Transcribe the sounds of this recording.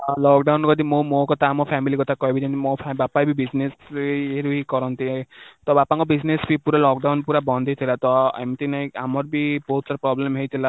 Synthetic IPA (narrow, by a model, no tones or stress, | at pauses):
lɔkɖawnkɔd̪imomokɔt̪ʰaːmɔpʰamilikɔt̪ʰakɔibidenmopʰabapajbʱibid͡ʒneseɾuɦikɔɾɔnt̪it̪ɔbapaŋkɔbid͡ʒnesbipuɾalɔk̚ɖawnpuɾabɔnd̪ʱit̪ʰilat̪ɔa̰mt̪inaĩamɔɾbibɔɦut̪saɾɔpɾɔblemɦejt̪ʰila